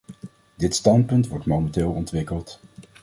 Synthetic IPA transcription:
dɪtstɑnt̚pɵntʋɔɹtmoməntɪːlˠɔntʋɪkəlˠt

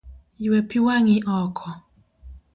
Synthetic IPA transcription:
jiwɛpiwaŋiʔɔkʰɔ

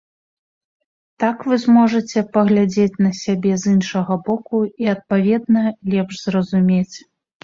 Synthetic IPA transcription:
t̪akvɨzmɔʐɐt͡sʲɛpɐɣlʲad͡zʲet͡sʲnɐsʲabʲɛzɨnʂɐɣɐbɔkuiɐt̪̚pavʲɛd̪nɐlʲɛpʐzrɐzumʲet͡sʲ

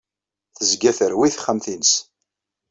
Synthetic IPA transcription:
θəzɡæθəɾwiθχəmθins

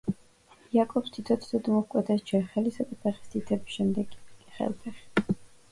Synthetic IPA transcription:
iakʼɔpst̪ʰit̪ʰɔt̪d̪ɔd̪mɔhkʼwɛt̪ʰɛsd͡ʒɛχɛlisad̪apʰɛχi̥st̪ʰʼit̪ʰɛbisʃɛmd̪ɛɡχɛ̰lˠpʰɛχi̥

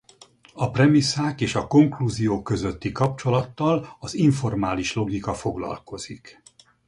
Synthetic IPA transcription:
ɒprɛmisaːkeːʃɒko̞ŋkluːzijoːkːø̞zø̞t̪ːikɒp̚t͡ʃo̞lɒt̪ːɒlɒziɱfo̞rmaːliʃlo̞ɡikɒfo̞ɡlɒ̰lko̞z̥ik

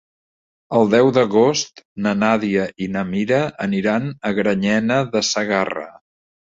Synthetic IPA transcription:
əlˠd̪ɛwd̪əɣost̪nənaðiəʔinəmiɾəəniɾanəɣɾəɲɛnəðəsəɣarə̰

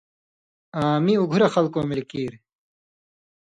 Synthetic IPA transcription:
aːmiuɡʱuɾɐxɐlkõːmilkiːɾ

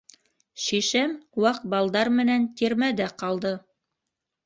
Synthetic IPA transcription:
ʃiʃɘmwɑqbɑlˠd̪ɑɾmɘ̆nænt̪iɾmæd̪æqɑlˠd̪ɤ

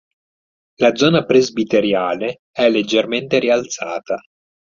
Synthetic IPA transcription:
lad̪zɔːnapɾezbit̪eɾjaːle | ɛlːed͡ʒːerment̪eɾialt̪saːt̪a

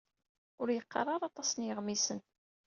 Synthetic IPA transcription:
ʊɾjəqːə̰rˤːɑɾˤɑt̪ˤɑsənjɪʁmisən

